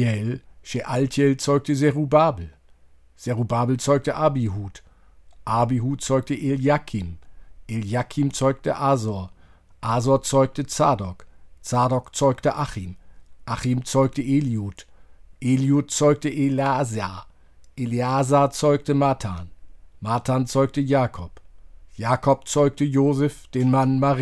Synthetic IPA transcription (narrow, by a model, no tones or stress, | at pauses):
ɛlʃeʔaltɛlt͡sɔʏk̚təzɛʁubaːbl̩ | z̥ɛʁubaːbl̩t͡sɔʏk̚təʔabiɦuːt | ʔabiɦuːtt͡sɔʏktəʔeljakʰimʔeljakʰimt͡sɔʏk̚tə̰ʔaːzɔɐ | ʔaːzɔɐt͡sɔʏk̚tət͡saːdɔkt͡saːdɔkt͡sɔʏktəʔaχimʔaχimt͡sɔʏk̚təʔeliuːtʔeljuːt̚t͡sɔʏk̚təʔelaza | ʔeliaːzaːt͡sɔʏk̚təmaːtʰaːnmaːtʰaːnt͡sɔʏk̚təjaːkʰɔpjaːkʰɔp̚t͡sɔʏk̚təjoːzɛfd̥eːnmanmaʁ